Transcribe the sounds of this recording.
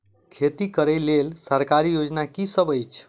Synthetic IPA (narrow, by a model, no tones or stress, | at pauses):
kʰet̪ikəɾəjlelsəɾkaɾijod͡ʒnakisəbəjt͡ʃʰ